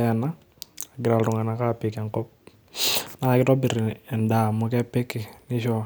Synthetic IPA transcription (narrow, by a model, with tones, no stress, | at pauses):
a˨na | aɡɪ˨ɾa˨lɾʊ˨ŋa˨na˨ka˦pɪkaŋkɔ˦p̚ | nakɪ˦tɔ˦bɪ˨ɾɪ˨ɛ˨nda˨mʊ˨kɛ˦pɛ˦kɪ˨nɪ˦ʃɔ˦